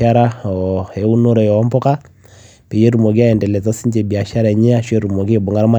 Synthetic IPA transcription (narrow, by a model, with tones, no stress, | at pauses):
a˦ɾa˦ɔe˨u˦no˦ɾɔ˨jɔ˨˦mbɔ˦ka˦ | pe˨je˦ɾu˨mo˨ɡi˦a˦ɛ˨ndɛ˨lɛ˨t͡sa˦si˦ɲd͡ʒe˨bi˨a˨ʃa˦ɾa˨ɛ˨ɲe˦a˦ʃwe˦ɾu˨mo˨ɡ̬e˨bo˨ŋa˦ɾma˦˨